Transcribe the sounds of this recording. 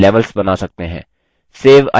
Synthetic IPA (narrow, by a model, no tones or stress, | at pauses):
lɛːʋəlsbɐnaːsɐk̚t̪eɦɛ̰̃ː | seːʋɐ̰